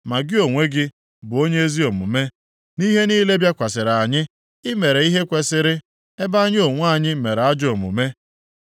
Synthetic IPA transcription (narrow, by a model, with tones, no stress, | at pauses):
ma˨ɡɪ˦o˨ŋʷe˦ɡɪ˦ | bʊ˨o˦ɲe˦e˦zi˦o˨mʊ̰˨me˦ | ni˦ɦe˦niː˦le˦bja˦kʷa˨sɪ˨ɾa˨ɲɪ˦ | ɪ˦me˨ɾe˨˦i˦ɦe˦kʷe˦sɪ˦ɾɪ˦ | e˦ba˦ɲ˦o˨ŋʷ˦a˦˨ɲɪ˦˨me˨ɾa˦d͡ʒo˨mʊ̰˨me˦